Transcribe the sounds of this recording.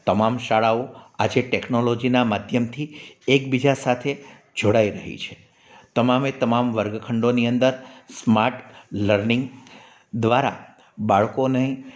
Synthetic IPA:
t̪əmamʃaɭaoad͡ʒeʈeknolod͡ʒinamad̪ʱjəmt̪ʰiekbid͡ʒasat̪ʰe | d͡ʒoɽaiɾəɦḭt͡ʃʰe̥ | t̪əmamet̪əmamʋəɾɡkʰəɳɖoniənd̪əɾsmaɾʈləɾnɪŋɡ | d̪ʋaɾa̰ | baɭkonəɦĩ

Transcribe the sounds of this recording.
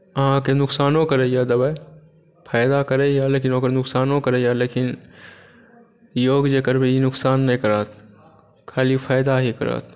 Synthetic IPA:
ɐɦãkenʊksaːnõkəɾejaːd̪əba | pʰaːɪd̪akəɾejaleːkɪnõːkəɾnʊksaːnõkəɾeːjaleːkɪn | joːɡd͡ʒeːkəɾbeinʊksaːnːɐĩkəɾaːt̪ʰ | kʰaːlipʰaːɪd̪aɦikəɾa̰ːt̪ʰ

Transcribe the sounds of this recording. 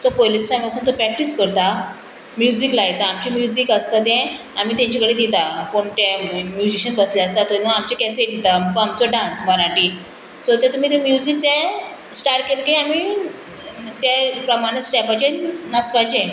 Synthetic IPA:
sɔpojlit̪samipasũnt̪opɾɛk̚ʈiskəɾt̪a | mjuziklajt̪aːmt͡ɕimjuzikəst̪at̪ɛ̃ | amiːt̪ãɲt͡ɕakəɽed̪it̪apoɳt̪emjud͡ʑiɕənbəsljaəst̪at̪onaamt͡ɕekaseʈ̪it̪amkamt͡sɔɖãnsməɾaʈiː | sɔt̪ɛ̃t̪um̤iːt̪emjuzik̚t̪a | sʈaɾkelkeami | t̪japɾəmaɽ̃esʈɛpat͡ɕenəspajd͡ʑẽ

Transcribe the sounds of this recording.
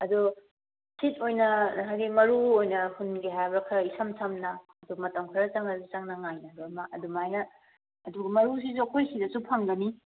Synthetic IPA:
ɐdu | sitojnɐɦajɡimɐɾuojnɐhunɡiɦajbɾɐkʰɐisamsʰamnɐː | dumɐtɐŋkʰɐɾɐt͡ʃaŋnɐsit͡ʃaŋnɐŋajnɐdoɾmɐʔɐdumajnɐː | duɡɐmɐɾus̬is̬uɐkʰojsidɐsupʰɐŋɡɐni

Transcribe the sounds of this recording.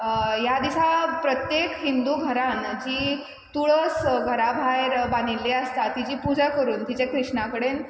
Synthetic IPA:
jad̪isapɾət̪jekɦind̪uɡʱəɾãnd͡ʑiː | t̪uɭəsɡʱəɾabʱajɾbanilːiəst̪at̪id͡ʑiːpud͡ʑakəɾuːnt̪it͡ɕekɾiʂɳakəɽen

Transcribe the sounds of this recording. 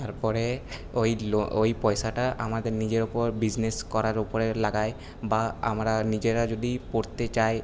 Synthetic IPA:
t̪aɾpɔɾeojloojpɔjʃaʈaʔamad̪eɾnid͡ʑeɾopoɾbid͡ʑneskɔɾaɾopoɾelaɡaj | baa̰mɾanid͡ʑeɾad͡ʑod̪ipoɾt̪et͡ɕaj

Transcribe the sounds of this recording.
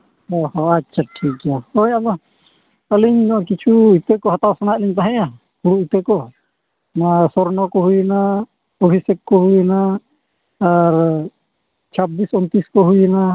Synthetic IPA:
ɔhɔatːt͡ʃʰaʈʰikaɔjabɔ | əliɲnɔakit͡ʃʰuit̪ekɔɦat̪awsanaʔliɲt̪aɦãja | kuɽuit̪ekɔ | nasɔɾnɔkɔɦujna | ɔbʱisɛkkɔɦujnaː | ɾ | t͡ʃʰabisɔnt̪iskɔɦujɛna

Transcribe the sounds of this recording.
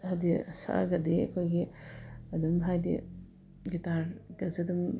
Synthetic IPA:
hadisa̰ʔa̰ɡɐdiɐ̰kʰojɡiɐdumɦajdḭ | ɡitaɾɡɐzedum

